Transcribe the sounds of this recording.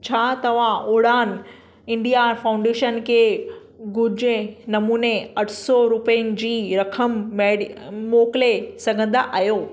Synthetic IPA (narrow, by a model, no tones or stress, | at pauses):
t͡ɕʰaːt̪ɐʋ̤ãʔoːɽaːn | ɪ̃ɳɖijafaːʊ̃ɳɖeːʃənkʰeː | ɡʊd͡ʑnɐmuːneɐʈʰsɔɾʊpəənɪ̆d͡ʑiːɾɐkʰəmemoːkɪlesɐɡʱə̃nd̪aʔajoː